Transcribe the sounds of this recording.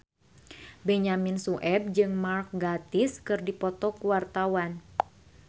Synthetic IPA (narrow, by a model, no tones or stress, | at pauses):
bɛɲaminsuʔɛb̚d͡ʒɨŋmark̚ɡat̪iskɨrdipɔt̪ɔkuwart̪awan